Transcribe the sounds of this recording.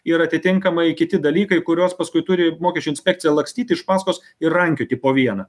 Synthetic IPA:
iɾɐt̪ʲɪt̪ʲɪŋkɐmɐɪkʲɪt̪ʲɪd̪ɐlʲiːkɐɪkʊɾʲoːspɐskʊɪt̪ʊɾʲɪmoːkʲɛʃt͡ʃʲʊɪnsʲpʲɛk̚t̪t͡s̪ʲɪjɛlˠɐksʲt̪ʲiːt̪ʲɪɪʃpɑːskoːs | ɪɾrɐŋʲkʲʊt̪ʲɪpoːʋʲiɛnɐ

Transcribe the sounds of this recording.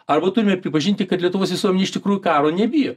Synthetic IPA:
ɐrbɐt̪ʊɾʲɪmʲɛpʲɾʲɪpɐʒʲɪnʲt̪ʲɪkɐt̪lʲiɛt̪ʊʋoːsʋʲɪsuɔmʲɛnʲɛɪʃʲt̪ʲɪkɾuːjukɑːɾoːnʲɛbʲɪjoː

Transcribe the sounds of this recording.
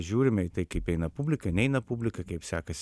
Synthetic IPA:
ʒʲuːɾʲɪmʲɛit̪ɐɪkɐɪpɛɪnɐpubʲlʲɪkɐnʲɛɪnɐpubʲlʲɪkɐkɐɪpsʲæːkɐsʲ

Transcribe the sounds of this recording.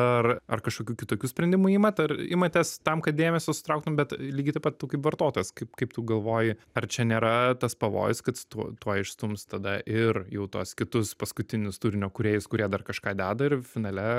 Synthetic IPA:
ɐrɐrkɐʃkoːkʲuːkʲɪt̪oːkʲuːsʲpʲɾʲɛnʲd̪ʲɪmuːiːmɐt̪ɐɾɪmɐt̪ʲɛst̪ɐmkɐt̪̚d̪ʲeːmʲɛsʲoːsʊ̥t̪ɾɐʊkt̪ʊmbʲɛt̪lʲiːɡʲɪt̪ɐɪpɐt̪t̪ːɐʊkɐɪpʋɐɾt̪oːt̪oːjɛskɐɪpkɐɪpt̪uːɡɐlˠʋoːjɪɐrt͡ʃʲɛnʲeːɾɐt̪ɐspɐʋo̰ːjʊskɐt̪t̪uɔt̪uɔɪʃst̪ʊmst̪ɐd̪ɐʔɪrjɛʊt̪uɔskʲɪt̪ʊspɐskʊt̪ʲɪnʲɪst̪uːɾʲɪnʲoːkʊɾʲeːjʊskʊɾʲiɛd̪ɐrkɐʃkɑːd̪ʲæːd̪ɐɪrfʲɪnɐlʲɛ

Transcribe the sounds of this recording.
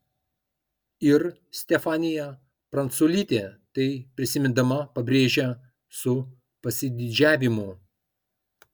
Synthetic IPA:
ɪɾ | sʲt̪ʲɛfɑːnʲɪjɛ | pɾɐnt̪sulʲiːt̪ʲeːt̪ɐɪpʲɾʲɪsʲɪmʲɪnd̪ɐmɐpɐbʲɾʲeːʒʲɛ | sʊ | pɐsʲɪd̪ʲɪd͡ʒʲæːʋʲɪmʊ

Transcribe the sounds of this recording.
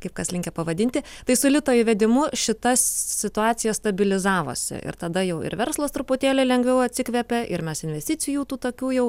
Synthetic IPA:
kɐɪpkɐslʲɪŋkʲɛpɐʋɐd̪ʲɪnʲt̪ʲɪ | t̪ɐɪsʊlʲɪt̪oːjɪʋʲɛd̪ʲɪmʊʃʲɪt̪ɐssʲɪt̪ʊɑːt̪sʲɪjɛst̪ɐbʲɪlʲɪzɑːʋo̰ːsʲɪ̰ʔɪ̰ɾt̪ɐd̪ɐjɛʊɪ̰ɾʋʲɛɾslˠɐst̪ɾʊpʊt̪ʲeːlʲɛɪlʲɛŋɡʋʲɛʊɐt̪ʲsʲɪkʋʲɛpʲɛʔɪɾmʲɛsɪnʲʋʲɛsʲt̪ʲɪt̪sʲɪjuːt̪uːt̪oːkʲuːjɛʊ

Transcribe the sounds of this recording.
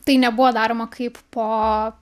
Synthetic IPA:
t̪ɐɪnʲɛbʊʋoːd̪ɑːɾoːmɐkʰɐɪppoː

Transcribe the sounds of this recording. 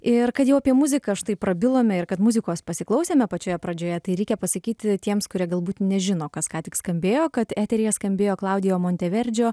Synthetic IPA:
ɪrkɐt̪jɛʊɐpʲiɛmʊzʲɪkɐːʃt̪ɐɪpɾɐbʲɪlˠoːmʲɛɪrkɐt̪mʊzʲɪkoːspɐsʲɪklˠɐʊsʲeːmʲɛpɐt͡ʃʲoːjɛpɾɐd͡ʒʲoːjɛt̪ɐɪɾʲɛɪkʲɛpɐsɐkʲiːt̪ʲt̪ʲiɛmskʊɾʲiɛɡɐlˠbuːt̪nʲɛʒʲɪnoːkɐskɑːt̪ʲɪkskɐmʲbʲeːjoːkɐt̪æːt̪ʲɛɾʲɪːjɛskɐmʲbʲeːjoːklˠɐʊd̪ʲɪjoːmoːnʲt̪ʲɛʋʲɛɾʲd͡ʒʲoː

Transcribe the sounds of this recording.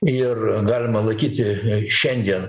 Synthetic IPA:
ɪrɡɑːlʲɪmɐlˠɐɪkʲiːt̪ʲɪʃʲɛnʲd̪ʲiɛn

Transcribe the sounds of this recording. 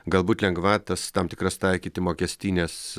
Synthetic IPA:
ɡɐlˠbuːt̪ʲlʲɛŋɡʋɑːt̪ɐst̪ɑmt̪ʲɪ̥kɾɐst̪ɐɪkʲiːt̪ʲɪmoːkʲɛsʲt̪ʲiːnʲeːs

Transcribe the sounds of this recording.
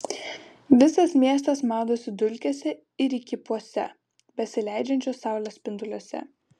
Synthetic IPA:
ʋʲɪsɐsmʲiɛs̬t̪ɐsmɑːd̪oːsʲɪd̪ʊlʲkʲɛsʲɛ | ɪɾikʲɪpuɔsʲɛ̰ | bʲɛsʲɪlʲɛɪd͡ʒʲɛnʲt͡ʃʲoːsːɑˑʊlʲospʲɪnd̪ʊlʲuɔsʲɛ̰

